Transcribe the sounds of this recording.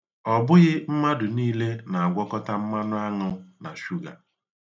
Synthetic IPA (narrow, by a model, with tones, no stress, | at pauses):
ɔ˨bʊ˦ɣɪ˦m̩˦ma˦dʊ˨niː˦le˦na˨a˨ɡʷɔ˦kɔ˦ta˦m̩˦ma˦nʊ˦a˦ŋʊ˦na˨ʃu˦ɡa̰˨